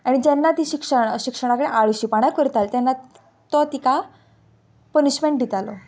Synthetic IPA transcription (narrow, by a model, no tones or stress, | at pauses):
aɽ̃id͡ʑɛnːat̪iːɕikʂəɳɕikʂəɽ̃akəɽeʔaɭiɕipaɽ̃akəɾt̪alt̪janːa | t̪ɔt̪ika | pəniɕmeɳʈ̚ɖ̪ʱit̪alɔ